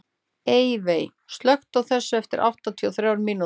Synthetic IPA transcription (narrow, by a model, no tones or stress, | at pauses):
eːjvej | st̪lœxt̪awθɛsːʏɛft̪ɪɾʔa̰wht̪at̪ʰiɔθɾjaːwɾmiːnu